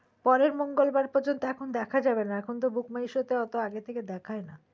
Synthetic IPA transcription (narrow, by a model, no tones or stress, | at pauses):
pɔɾeɾmoŋɡolbaɾpɔɾd͡ʑont̪oɛkʰond̪ɛkʰad͡ʑabenaɛkʰont̪̬obukmaiʃot̪eɔt̪oaɡet̪ʰeked̪ɛkʰaena